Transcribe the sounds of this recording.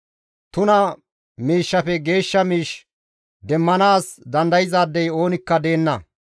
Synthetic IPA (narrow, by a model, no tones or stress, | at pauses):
t̪ʊnɐ | miːʃːɐfɛɡe̞ːʃːɐmiːʃ | d̪ɛmːɐnaːsd̪ɐnd̪ɐjɪzaːd̪ːɛjo̞ːnɪkːɐd̪e̞ːnːɐ